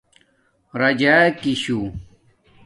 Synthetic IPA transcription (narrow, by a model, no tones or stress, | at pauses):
ɾɐd͡ʑakiɕu